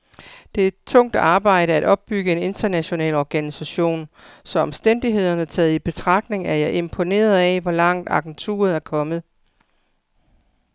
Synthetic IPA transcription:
d̥e̝ed̥̚t͡sʰɔ̽ŋ̰d̥ɑ̈ːb̥ɑ̈ɪ̰ɾəæɾ̥ɒ̽b̥̚ːyɡ̥əe̝ne̝nd̥ɐnæɕo̝nɛ̰ːlɒɡ̥ænisæɕo̝̰ːnsɒ̽ɒ̽msd̥en̰d̥iɦe̝ð̞̰ˠɐnət͡sʰɛːð̩ˠib̥e̝t͡sʰʁɑ̈ɡ̥̚ne̝ŋæɐjɑ̈ɪʔe̝mpʰo̝ne̝̰ːɐð̞̩ˠɛʋɒlɑ̈ŋ̰d̥ɑ̈ɡ̥en̩t͡sʰṵːɐð̩ˠæɐkʰɒ̽mð̞̩ˠ

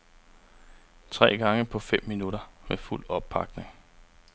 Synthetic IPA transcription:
t͡sʰʁɛ̰ːɡ̥ɑ̈ŋəpʰɒ̽fem̰ːinuɾɐmeful̰ɒ̽b̥̚pʰɑ̈ɡ̥̚ne̝ŋ

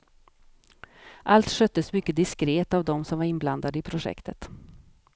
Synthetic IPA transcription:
ʔalt̪ʂœt̪ːəsmʏkːəd̪ɪskɾeːt̪avd̪ɔmsɔmvaɾɪnbland̪ad̪əɪpʰɾʊʂɛ̰kt̪ʰət̪

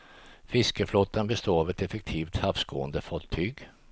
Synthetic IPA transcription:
fɪskəflut̪ːanbɛst̪oːavɛt̪ɛfɛk̚t̪ʰiːft̪hafsko̰ːənd̪əfɔt̪ʰːyːɡ

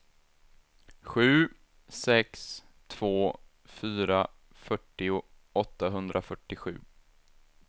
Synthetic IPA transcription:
ɧʉ̟ː | sɛks | t̪ʰv̥oː | fyːɾa | fœʈːɪʊ | ɔt̪ːaɦɵnd̪ɾʔafœʈːɪɧʉ̟̰ː

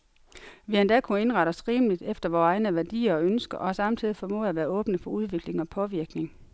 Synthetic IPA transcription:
ʋiɐnd̥ɛkʰue̝nʁɑ̈ɾəsʁiːmlid̥efd̥ɐʋɒːɑ̈ɪnəʋæɐd̥ḭːɐønsɡ̥ɐʔɒ̽sɑ̈mt͡sʰið̞̰ˠifɒ̽mɔ̰ːðˠæʋæːɐɔ̽ːb̥nəfɒ̽uð̞ˠʋe̝ɡ̥le̝ŋɒ̽pʰɒ̽ʋiɐɡ̥ne̝ŋ

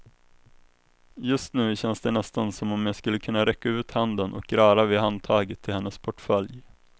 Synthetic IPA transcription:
jɵst̪nʉ̟ːɕɛnsd̪ɛnɛst̪ansɔmɔmjaskɵlːəkʰɵnːaɾɛkːaʉ̟ːt̪hand̪ənʔɔ̰k̚ɾɑːɾavɪhant̪ʰɑːɡət̪ʰːɪlhɛnːəspʰɔʈfœlj

